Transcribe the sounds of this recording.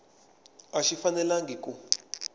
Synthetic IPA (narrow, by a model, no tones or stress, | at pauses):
aʃifanɛlaŋɡʱiku